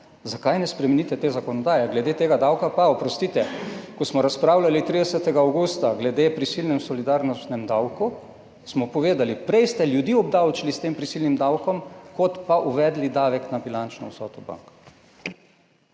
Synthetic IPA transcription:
zakajnɛspɾɛmɛnit̪ɛt̪eːzakɔnɔd̪aːjɛɡlɛd̪et̪eːɡad̪awkapaɔpɾɔst̪iːt̪ɛkɔsmɔɾaspɾaːwlalit̪ɾid̪ɛsɛt̪ɛɡaːwɡust̪aɡlɛd̪epɾisilnɛmsɔlid̪aɾnɔst̪nɛmd̪awku | smɔpɔʋeːd̪alipɾɛjst̪ɛljud̪iɔbd̪awt͡ʃilist̪eːmpɾisilnimd̪awkɔmkɔt̪paʔuʋɛːd̪lid̪aːʋɛknabilant͡ʃnɔ̰wsɔ̰ːt̪ɔba̰ŋk

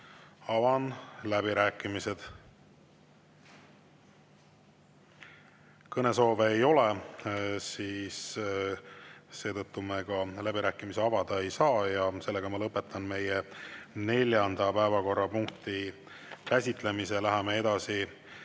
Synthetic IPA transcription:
ɑvɑnlæb̥iɾæːkːˑimise̞d̪̥ | kɤne̞so̞ːveːjo̞le | siːs | se̞ːt̪ɤt̪ːume̞ɡɑlæbiɾæːkːˑimiseɑvɑd̪̥ɑe̞jsɑːjɑse̞lːe̞ɡ̥ɑmɑlɤpːˑe̞t̪ːˑɑnme̞jene̞lʲjɑnd̪̥ɑpæevɑko̞rːɑpuŋk̚t̪i | kæsʲit̪ˑle̞mise̞læɦemee̞d̪̥ɑsi

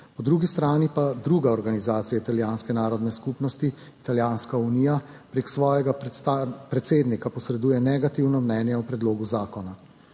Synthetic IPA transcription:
pɔd̪ɾuɡist̪ɾaːnipad̪ɾuɡaɔɾɡanizaːt̪sijait̪aljaːnskɛnaːɾɔd̪nɛskupnɔst̪iː | t̪aljaːnskaunijapɾeksʋɔːjɛɡat̪apɾɛt̪seːd̪nikapɔsɾɛd̪uːjɛnɛɡat̪iwnɔmnɛːnjɛwpɾɛd̪loːɡuzaːkɔna

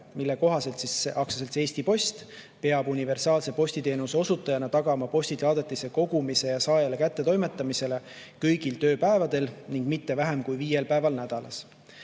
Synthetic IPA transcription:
milːeko̞ɦɑse̞lt̪siseʔɑksɑse̞lt̪ːe̞ːsʲt̪ipo̞st̪ | pe̞ɑbunive̞rsɑːlse̞po̞sʲt̪it̪e̞ːnuseo̞sut̪ːˑɑjɑnɑt̪ɑɡ̥ɑmɑpo̞sʲt̪it̪ɑːd̪et̪ːˑise̞ko̞ɡ̥umise̞jɑsɑːjelekæt̪ːe̞t̪o̞jme̞t̪ˑːɑmise̞le̞ | kɤjɡ̥ilt̪ø̞ːpæe̞vɑd̪̥e̞lniŋɡ̥mit̪ːe̞væɦe̞mkujviːje̞lpæe̞vɑlnæd̪̥ɑlɑ̰s

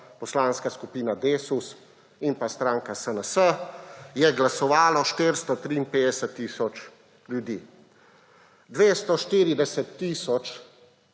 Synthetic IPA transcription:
pɔslaːnskaskupiːnad̪eːsus | impast̪ɾãːŋkasənəsəjɛɡlasɔʋaːlɔʃt̪eɾst̪ɔt̪ɾiːnpeːd̪ɛsət̪ːiːsɔt͡ʃ | ljud̪iː | d̪ʋeːst̪ɔʃt̪iːɾid̪ɛsɛt̪ːiːsɔt͡ʃ

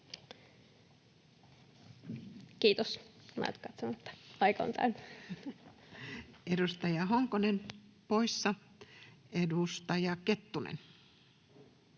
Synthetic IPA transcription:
kiːt̪osnɑ̰it̪kɑt̪sonoet̪ːæ̥ɑikɑo̰nt̪ʰæ̰ny | edust̪ɑjɑɦoŋkonenpoisːɑ | edust̪ɑjɑket̪ːunḛn

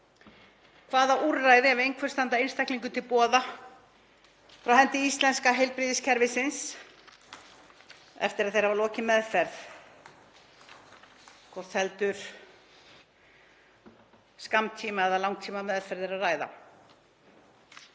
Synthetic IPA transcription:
kʰvaːðauɾːajðɪɛvejŋkʰvɛɾ̥st̪ant̪aejnst̪ajhkliŋkʏt̪ʰɪlpɔːða | fɾawɦɛnt̪ɪist̪lɛnskaɦejlpɾiːðɪscʰɛɾvɪsɪns | ɛ̰ft̪ɪɾaðθejɾ̥havalɔːcɪmɛðfɛɾθ | kʰɔɾθɛlt̪ʏɾ̥ | skamt̪ʰiːmaɛðalawŋkt̪ʰiːmamɛðfɛɾðɪɾaðraːjða̰

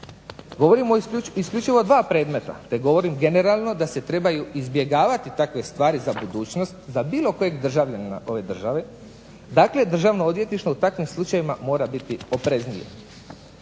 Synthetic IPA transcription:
ɡo̞ʋoɾimoiskʎut͡ʃiʋo̞d̪ʋaːpɾe̞ːd̪me̞t̪a̰t̪e̞ɡo̞ʋo̞ɾimɡe̞ne̞ɾalˠno̞d̪ase̞t̪ɾe̞bajuizbje̞ɡaːʋat̪it̪akʋe̞st̪ʋaːɾizabud̪uːt͡ɕno̞st̪zabiːlˠo̞ko̞je̞ɡd̪r̩ʒaʋʎʲana̰ʔo̞ʋe̞d̪r̩ʒaʋe̞ | d̪aːkle̞d̪r̩ʒaʋnood̪ʋje̞t̪niʃt̪o̞ut̪akʋimslˠut͡ʃajimamo̞ːɾabit̪io̞pɾe̞znije̞̰

